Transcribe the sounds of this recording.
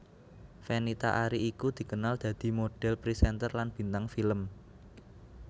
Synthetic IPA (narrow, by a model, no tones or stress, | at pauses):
fenit̪a̰ʔaɾiːkud̪̥i̤kənald̪̥ä̤d̪̥i̤moɖ̥ɛ̤lpɾisɛnt̪ərlanb̥i̤nt̪aŋfiləm